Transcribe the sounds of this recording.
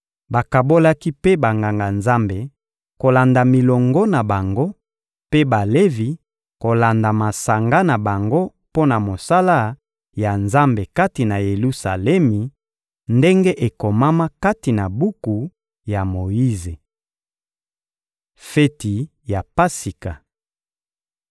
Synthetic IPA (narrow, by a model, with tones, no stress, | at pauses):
ba˨ka˨bo˦la˦ki˦pe˦ba˨ŋɡa˨ŋɡa˨nza˦mbe˨ | ko˨la˨nda˨mi˨lɔ˨ŋɡɔ˦na˨ba˨ŋɡo˦ | pe˦ba˨le˦vi˨ | ko˨la˨nda˨ma˨sa˨ŋɡa˦na˨ba˨ŋɡo˦ | po˦na˨mo˨sa˦la˦ | ja˨nza˦mbe˨ka˦ti˨na˨je˨lu˦sa̰˨lɛ˦mi˨ | nde˦ŋɡe˦ʔe˨ko˨ma˦ma˦ka˦ti˨na˨bu˦ku˨ | ja˨mo˨i˦ze˨ | fe˦ti˨ | ja˨pa˦si˨ka˨